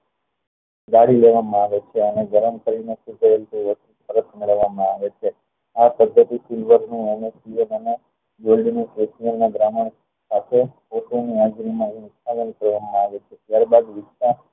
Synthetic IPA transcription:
ɡ̪aɽileʋamãaʋet͡ʃʰeəneɡəɾəmkəɾinesud̪ʱəelt̪ũʋəsup̪əɾət̪meɭəʋːamãaʋet͡ʃʰe | apəd̪ʱːət̪isilʋəɾnũenesijonəne | d͡ʒoɖinũkesijənːaɡɾaməɳ | sat̪ʰe | oʈuniad͡ʒɾimãnɪst̪ʰabənkəɾʋamãaʋet͡ʃʰet̪jaɾbad̪ʋɪst̪a

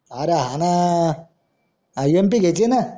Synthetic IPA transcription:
aɾaɦana | jempiket͡ʃːina

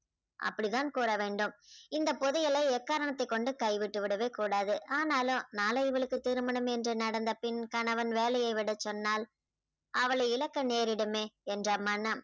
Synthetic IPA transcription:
ʔɐ̰pːɐɽɪðaːnkuːɾɐʋeːɳɖɯmɪnd̪ɐpɔðɯjɐlɐɪɛːkːaːɾɐɳɐt̪ːɐɪkːɔɳɖɯkɐɪʋɪʈːɯʋɪɽɐʋeːkuːɽaːðɯʔaːnaːlɯnaːlɐɪʋɐɭɯkːɯt̪iːɾɯmɐɳɐmɛndrɯnɐɽɐnd̪ɐpɪnkɐnɐʋɐnʋeːlɐjɐɪʋɪɽɐt͡ʃːɔnːaːl | ʔɐʋɐɭɐɪlɐkːɐneːɾɪɽɯmeːɛndrɐmɐnːɐm

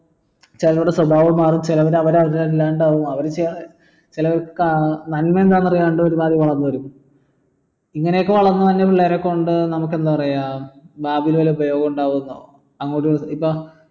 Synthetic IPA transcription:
t͡ɕilɐtuɽeswɐbʱaːʋɐmːaːrumt͡ɕilɐʋɐɾɐʋɐɾɐʋɐɾialaːɳɖaːʋumɐʋɐɾt͡ɕ | t͡ɕilɐʋɐɾkkanɐnmeend̪aːnːɐrɐjaːuɳɖɨoɾubaːd̪iʋɐɭɐnːuʋɐɾumː | iŋːɐnejokːeʋɐɭɐnːut̪ɐnːepiɭːeɾekːo̞ɳɖɨnɐmuk̬ːe̞nd̪ɨpɐrɐjabaːbiilʋɐleubɐjo̞ːɡɐmuɳɖaːʋunːo̰ | ɐŋːoːɽiipːo

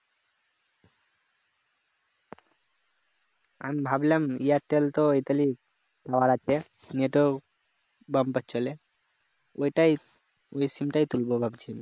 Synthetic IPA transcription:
a̰mbʱablɛmijaɾʈelt̪oojt̪ali | k̪awaɾat͡ɕʰe | neʈo | bampat͡ʃʰole | ojʈaj | ojsimʈajt̪ulbobʱab̚t͡ɕʰim

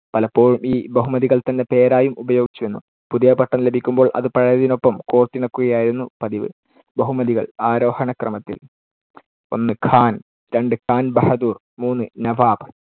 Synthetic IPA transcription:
pɐlɐpːo̞ːɻumʔiːbɐɦumɐðiɣɐɭt̪ɐnːe̞pe̞ːɾaːjumubɐjo̞ːɡit͡ɕːuʋenːu | puðijɐpɐʈːɐnlebʱikʲːumbo̞ːɭʔɐ̰ðɨpɐɻɐjɐðino̞pːɐmkoːrt̪ːiɳɐkːuɣɐjaːjiɾunːupɐðiʋɨ̰ | bɐɦumɐðiɣɐɭaːɾo̞ːhɐɳɐkrɐmɐt̪ːḭl | o̞̰nːɨkʰaːn | ɾe̞ɳɖɨkʰaːnbɐhɐd̪uːr | muːnːɨnɐʋaːb

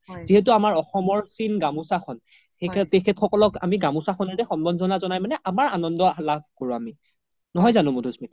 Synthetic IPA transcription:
ziɦet̬uamaɹɔxɔmɔɹsinɡamusakʰɔn | ektekʰɛtxʰɔkɔlɔka̰miɡamusaxʰɔnɔtɛxɔnbɔnzɔnazɔnajmanɛʔamaɹanɔndɔlabʱkoɹʊami | nɔɦɔjzanʊmudʱusmit

